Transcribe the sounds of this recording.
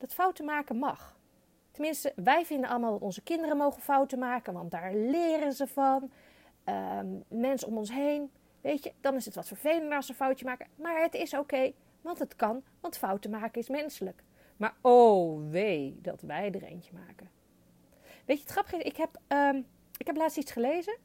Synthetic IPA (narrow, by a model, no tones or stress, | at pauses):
d̥ɑtfʌwtəmaːkənmɑχ | tənmɪnstəʋɛjvɪndənʔɑlˠəmaːlˠdɑtɔnzəkɪndərənmowχənfʌwtəmaːkənʋɑndaːɹlɪːrənzəvɑn | əmɛnsəɔmɔnsɦejn | ʋejtəd̥ɑnɪsətʋɑtfəɹv̥ejləndəɹɑsəfʌwtəmaːkəmaːɹɦətɪsowkej | ʋɑntɦətkɑnʋɑntfʌwtəmaːkənɪsmɛnsələk | maːɹoʋejdɑ̰tʋɛjdərḛjnəma̰ːkə | ʋejtəətχrɑpəχɪsɪkɦɛpə | ɪkɦɛplaːtstitsχəlejzə